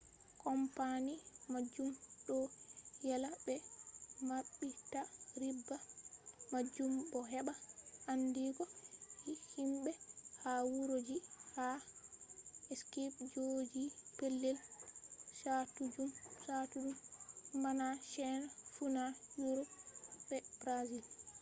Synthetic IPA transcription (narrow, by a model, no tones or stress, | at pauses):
kɔmpanimad͡ʒːumɗɔjalabɛmaɓːitaɾibːamad͡ʒːumbɔɦɛɓaandiɡɔihimɓɛhawuɾod͡ʒiha | ɛskipd͡ʒod͡ʒipelːɛl | satud͡ʒumsatud͡ʒumːanaʃɛnafunajuɾɔbɛbɾazil